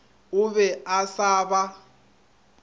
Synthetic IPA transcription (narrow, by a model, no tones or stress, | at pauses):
ʊβɛasaːβa